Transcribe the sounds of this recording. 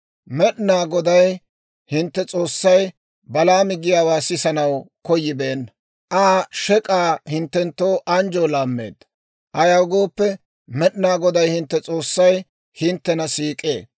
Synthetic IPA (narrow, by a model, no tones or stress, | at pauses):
mɛɗnaːɡɔd̪ɐj | hɪnt̪ːɛt͡sʼo̞ːsːɐj | bɐlaːmɪɡɪjaːwaːsɪsɐnɐwkɔjːɪbe̞ːn | ʔaːʃɛkʼaːhɪnt̪ːɛnt̪ːoːʔɐnd͡ʒoːlaːmːḛːd̪ːɐ | ʔɐjɐwɡo̞ːpːɛ | mɛɗɪnaːɡɔd̪ɐjhɪnt̪ːɛt͡sʼo̞ːsːɐj | hɪnt̪ːɛnɐsiːkʼe̞̰ː